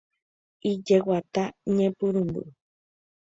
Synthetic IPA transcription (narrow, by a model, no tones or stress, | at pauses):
id͡ʒewat̪aɲẽpuɾumbɨ̰ʔ